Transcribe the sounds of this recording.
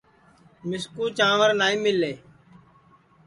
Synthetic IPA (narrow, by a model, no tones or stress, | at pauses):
mɪskuːt͡ʃãːʋəɾnaːiːmɪleː